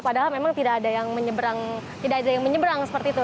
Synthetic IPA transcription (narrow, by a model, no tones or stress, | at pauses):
padaɦalmemaŋt̪idaːdajaŋməɲəbəɾaŋ | t̪idaadajaŋməɲəbɾaŋsə̥pərt̪iːt̪u